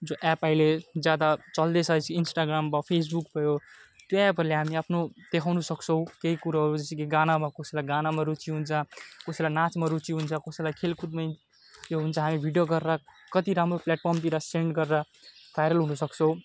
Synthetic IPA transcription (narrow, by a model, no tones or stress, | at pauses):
d͡zoʔɛpailed͡zjad̪at͡sʌld̪esʰʌjt͡sʰiːnsʈaɡɾambapʰes̬bukpʌjot̪ɛpʌleɦamiapʰnod̪̥ekʰawnusʌkt͡sʰʌ̃w̃keikuɾaɦʌɾuʌt͡sʰikiɡanamakosilajɡanamaɾut͡sʰiɦunt͡sʰʌkosilajnat͡smaɾut͡siɦunt͡sʰʌkosilajkʰelkʰud̪maj | oɦunt͡sʰʌɦamibʱiɖjoɡʌrːa | kʌt̪iɾamɾoplɛʈ̚pʰʌrmt̪iɾaseɳɖɡʌrːa | bʱajnʌlɦunʌsʌkt͡sʰʌw̃